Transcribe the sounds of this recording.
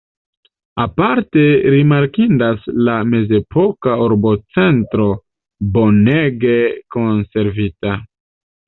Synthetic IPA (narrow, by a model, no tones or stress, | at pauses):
apaɾte̞ɾimaɾkindaslame̞ze̞pʰo̞kauɾbo̞t͡se̞ntɾo̞ | bo̞ne̞ɡe̞ko̞nse̞ɾvita